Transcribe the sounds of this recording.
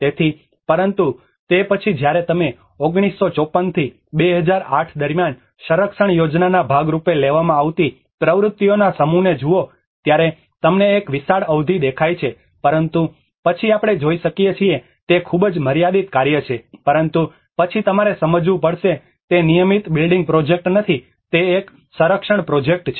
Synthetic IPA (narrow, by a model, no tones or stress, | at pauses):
t̪et̪ʰi | pəɾənt̪u | t̪epət͡ʃʰid͡ʒjaɾet̪əme | oɡɽ̃isːot͡ʃɔpːənt̪ʰi | beɦəd͡ʒaɾaʈʰd̪əɾmjan | ʃəɾəkʃəɳjod͡ʒnanabʱaɡɾupeleʋamãaʋt̪i | pɾəʋɾʊt̪ːjonasəmuned͡ʒuo | t̪jaɾe | t̪əmneːkʋisaɽəʋd̪ʱid̪ekʰajt͡ʃʰe | pəɾənt̪u | pət͡ʃʰiapɽ̃ed͡ʒoiʃəkijet͡ʃʰie | t̪ekʰubd͡ʒməɾjad̪it̪kaɾjət͡ʃʰepəɾənt̪u | pət͡ʃʰit̪əmaɾesəməd͡ʒʋupəɽʃe | t̪enijəmit̪bɪlɖiŋɡ̚pɾod͡ʒek̚ʈnət̪ʰi | t̪eːk | sə̃ɾəkʃəɳpɾod͡ʒek̚ʈt͡ʃʰe